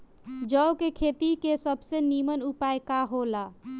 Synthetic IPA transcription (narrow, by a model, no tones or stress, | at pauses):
d͡ʒəwkekʰet̪ikesəbʱsenimənupajkaɦola